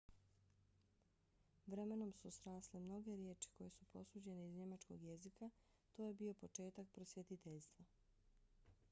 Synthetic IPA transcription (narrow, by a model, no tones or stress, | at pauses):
ʋɾe̞me̞no̞msusɾaːslemno̞ɡe̞ɾjeːt͡ʃi̥ko̞je̞supo̞suːd͡ʑe̞neizɲe̞mat͡ʃko̞̰ɡje̞zika | t̪oːje̞bio̞po̞t͡ʃe̞ːt̪ak̚pɾosʋjet̪it̪eʎst̪ʋa